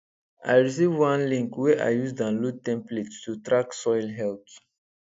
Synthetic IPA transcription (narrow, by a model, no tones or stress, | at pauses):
a̰ɪɹis̬ivwãnlĩŋkwɛʔa̰ɪjusdãnlud̚tɛ̃mpletstutɹaksɔjlɦɛlt